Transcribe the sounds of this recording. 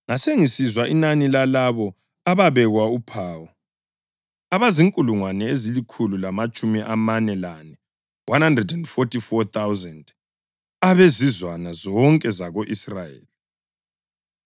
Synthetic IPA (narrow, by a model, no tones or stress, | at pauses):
ŋaseŋisizwaʔinanilalaβɔ | aβaβɛɣwaupʰaːwɔ | aβaziŋkʼuluŋwanɛezilikʰululamat͡ʃʼumiʔamanɛlanɛ | wʔanhandrɛdɛndfɔtʰʼifɔt̪awzɛnd | aβezizwanazɔŋkʼɛzaɣoʔisrajḛːli